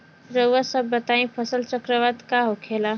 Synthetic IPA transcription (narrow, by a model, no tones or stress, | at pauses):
ɾəwasəbːət̪aĩpʰəsəlt͡ʃəkɾəʋad̪kaɦokʰela